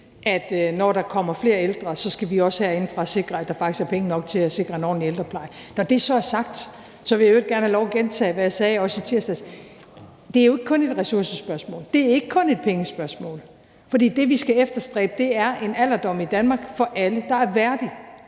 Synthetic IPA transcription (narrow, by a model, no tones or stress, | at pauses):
ʔæd̥nɒɾ̥ɑ̈kʰɒ̽m̰ɐfle̝ːɐeld̥ʁɐsɒ̽sɡ̥æʋiɒ̽shæɐ̰e̝nfʁɑ̈æse̝ɡ̥ʁɐæd̥ɑ̈fɑ̈ɡ̥isæɐpʰeŋənɒ̽ɡ̥̚t͡sʰe̝læse̝ɡ̥ʁɐnɒ̰ːnield̥ʁɐpʰlɑ̈ɪnɒd̥e̝sɒ̽æɐsɑ̈ɡ̥̚d̥ | sɒ̽ʋe̝jaeɡ̥̚ɡæɐnhælɒʊæɡ̥ent͡sʰɛ̰ːʋæjɑ̈sɛːɒ̽sit͡sʰiɐ̰sd̥ɛs | d̥e̝æɐjo̝e̝ɡ̥kʰɔ̽ne̝d̥ʁɛsuɐsəsb̥ɶɐsmɔ̰ːld̥e̝æɐe̝ɡ̥əkʰɔ̽ne̝d̥̚pʰeŋəsb̥ɶɐsmɔ̰ːl | fɒd̥ḭːd̥e̝ʋisɡ̥æefd̥ɐsd̥ʁɛ̰ːb̥əd̥e̝æɐʔe̝næl̰ɐd̥ɒ̽m̰id̥ænmɑ̈ːɡ̥fɒ̽ʔæləd̥ɑ̈æɐʋæɐd̥i